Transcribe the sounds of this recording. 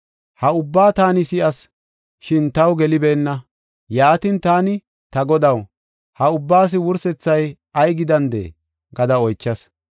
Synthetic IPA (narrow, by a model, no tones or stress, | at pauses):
hɐʊbːaːt̪aːnɪsɪʔɐs | ʃɪnt̪ɐwɡɛlɪbeːnːɐ | jaːt̪int̪aːnɪ | t̪ɐɡɔd̪ɐw | hɐʊbːaːs̬ɪwʊɾsɛt͡sːɐj | ɐjɡɪd̪ɐnd̪ḛː | ɡɐd̪ɐɔjt͡ʃːɐs